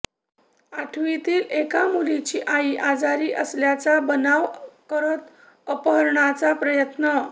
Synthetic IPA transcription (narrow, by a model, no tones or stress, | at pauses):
aʈʰʋit̪iːlekamulit͡ɕiːʔaiʔad͡zaɾiːʔəsljat͡sabənaʋkəɾət̪ | əpəɦəɾɳat͡sapɾəjət̪nə